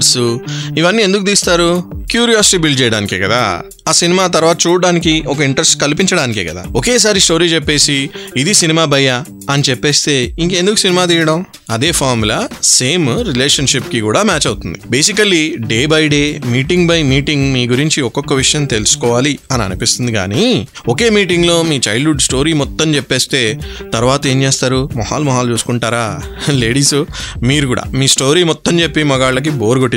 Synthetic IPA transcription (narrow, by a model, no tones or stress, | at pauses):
soiʋɐnːiːe̞nd̪ukut̪iːst̪aːɾukjuːɾijaːsi̥ʈiːbilt͡ʃɛːjɐɽaːnikeːkɐd̪a̰ː | aːsinimaːt̪ɐɾʋaːt̪ɐt͡ʃuːɽɽaːnik̬iɔk̬ɐiɳʈɾesʈkɐlpiɲt͡ʃɐɽaːnikḛːkɐd̪a̰ːoke̞ːs̬aːɾisʈo̞ːɾiːt͡ʃepːe̞ːsiːd̪isinimaːbɐjaː | ɐnit͡ʃɛpːe̞ːst̪e̞ːiŋkɐend̪uku̥sinimaːt̪̬iːjɐɽɐm | ɐd̪e̞ːpʰaːɾmula̰se̞ːmɾileːʂɐnʂipkikuːɽaːmaːt͡ʃɐwt̪und̪ḭbe̞ːsikɐliɖe̞ːbɐjɖe̞ːmiːʈiŋɡbɐjmiːʈiŋɡmiːɡuɾiɲt͡ʃiɔkɔkːɐʋiʂɐjɐnt̪e̞lusu̥kɔːʋaːliɐniɐ̰nipist̪und̪iɡa̰ːni | oke̞ːmiːʈiŋɡlo̞ːmiːt͡ʃɐjɖuɖsʈo̞ːɾiːmɔt̪ːɐmt͡ʃepːeːst̪e̞ː | t̪ɐɾuʋaːt̪ɐe̞ːmt͡ʃe̞ːst̪aːɾumɔha̰ːlmɔɦaːlt͡ʃuːsu̥kuɳʈaːɾaːle̞ːɽiːsumiːɾukuːɽa̰ːmiːsʈo̞ːɾiːmɔt̪ːɐmt͡ʃe̞pːimɔɡaːɭːɐk̬ibo̞ːɾuɡoʈːi